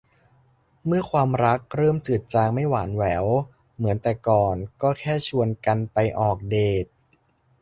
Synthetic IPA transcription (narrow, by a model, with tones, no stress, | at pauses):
mɯ˥˩ɐkʰwaː˧mɾa˦˥k̚ɾɤː˥˩mt͡ɕɯː˨˩t̪̚t͡ɕaː˧ŋma˥˩jwaː˩˦nwɛː˩˦w | mɯ˩˦ənt̪ɛː˨˩kɔː˨˩nkɔː˥˩kʰɛː˥˩t͡ɕʰu˧ənka˧npa˧jʔɔː˨˩k̚deː˨˩t̪̚